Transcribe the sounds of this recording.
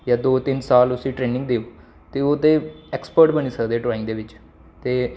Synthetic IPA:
jaːd̪oːt̪ɪnsaːlʊsĩːʈɾeːnɪ̃ŋɡd̪eːo | t̪eːoːt̪eːɛːkspəɾʈbəñiːsəkd̪eːʈɾaːɪ̃ŋɡd̪eːʋɪt͡ʃ | t̪eː

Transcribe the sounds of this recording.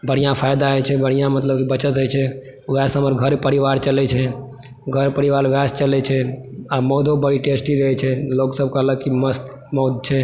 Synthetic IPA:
bəɽ̤̃ijãpʰajd̪aɦət͡ʃʰɛbəɽ̤̃ijãmət̪ləb̚kibət͡ʃət̪ɦəjt͡ʃʰɛ | ʋɛsɦəməɾɡʱəɾpəɾiʋaɾt͡ʃəlɛt͡ʃʰɛ | ɡʱəɾpəɾiʋaɾʋast͡ʃəlɛt͡ʃʰɛamɔd̪ʱobəɽiʈesʈiɾəɦɛt͡ʃʰɛloksəb̚ʱkaləkiməst̪ | mɔd̪̚ʱt͡ʃʰɛ

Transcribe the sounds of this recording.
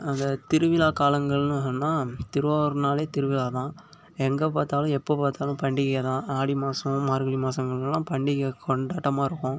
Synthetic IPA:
ɐnd̪ɐt̪ɪɾɯʋɪlaːkaːlɐŋɡɐɭnɯɯnːaːt̪ɪɾɯʋaːɾnaːleːt̪ɪɾɯʋɪlaːt̪ãː | ɛŋɡɐpaːt̪aːlʊ̃ɛpːoːpaːɾt̪aːlʊ̃pɐɳɖɪkɣɐt̪ãːʔaːɽimaːsɐ̃maːɾɯɣɐɭimaːsɐŋɡɐɭɛlːãːpɐɳɖɪɣɐkʰɔɳɖaːʈːɐmaːɪɾɯkːʊ̃ː

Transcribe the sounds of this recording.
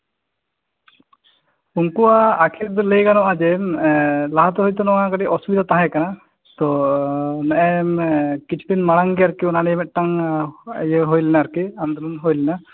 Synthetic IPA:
uŋkuwaːkʰiɾd̪ɔlejkanɔʔad͡ʒɛ | laɦat̪ɔɦojt̪ɔnɔŋãɡaɖiʔɔsubid̪at̪ãɦɛ̃kana | t̪ɔ | naʔɛmkit͡ʃʰu̥linmaɽaŋɡɛaɾkiɔnanɛjmɛt̪̚ˀʈaŋ | jeɦojlɛnaɾkiand̪ulunɦojlɛna

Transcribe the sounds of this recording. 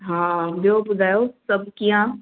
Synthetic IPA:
ɦãbobʊd̪aːjosɐb̚kiã

